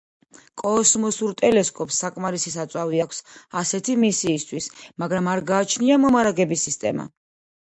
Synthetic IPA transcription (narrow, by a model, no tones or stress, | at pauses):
kʼɔːsmɔsuɾt̪ʼɛlɛskʼɔpʰsːakʼmaɾisisat̪sʼwaviakʷʰsasɛt̪ʰimisiːst̪ʰwismaɡɾamaɾɡaːt͡ʃʰniamɔmaɾaɡɛbisːist̪ʼɛ̰ma̰